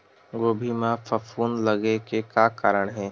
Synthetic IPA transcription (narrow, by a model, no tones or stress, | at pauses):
ɡoːbʱiːmãfɐfuːnlɐɡekekakaːɾəɽ̃ɦɛ̃ː